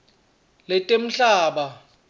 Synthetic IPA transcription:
lɛtʼem̩ɬaːɓa

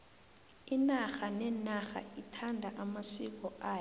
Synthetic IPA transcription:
inaxanɛnaxa̰itʰandʱaʔamasik̬ɔaː

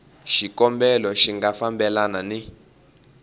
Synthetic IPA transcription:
ʃikɔmbɛlɔʃiŋɡafambɛlanani

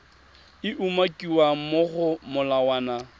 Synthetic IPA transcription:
ɪʔumakʼiwamʊɣʊmʊlawaːna

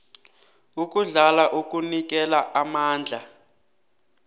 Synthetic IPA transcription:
uk̬ʼuɮalaʔuk̬ʼunik̬ɛlaʔamaːnd͡ɮʱa

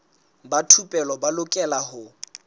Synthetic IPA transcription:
batʰupʼɛlɔbalʊkʼɛlahʊ

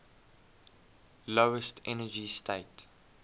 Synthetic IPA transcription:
loʊəstʰɛnəd͡ʒistʰeɪt

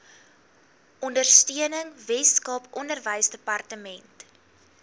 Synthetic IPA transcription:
ʔɔndərstyənəŋvɛskɐpɔndərvəjsdəpɐrtəmɛnt

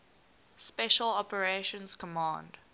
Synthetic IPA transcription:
spɛʃəlɔpəɹeʃə̃nz̥kʰəmɑ̃ːnd̥

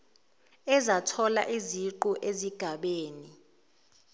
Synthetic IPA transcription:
ɛzatʰɔla̰ʔiziǃuʔeziɡ̥ʱaɓeːni

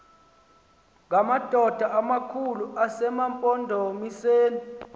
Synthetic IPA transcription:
ŋʱamad̥ʱɔd̥ʱaʔamakʰuluʔasɛmampʼɔndʱomiseːni

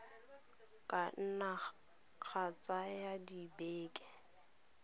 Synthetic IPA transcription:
kʼan̩na | k͡xʰat͡sʼajadibeːkʼɛ

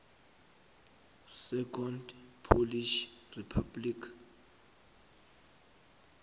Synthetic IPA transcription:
sɛkʰɔndpʰoliʃripʰablikʰ

